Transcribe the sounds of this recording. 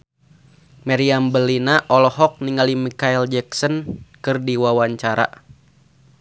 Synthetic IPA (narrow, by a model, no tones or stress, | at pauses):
maɾiambəlinaʔɔlɔɦɔk̚niŋalimikaild͡ʒɛksɔnkɨrdiwawaɲt͡ʃaɾa̰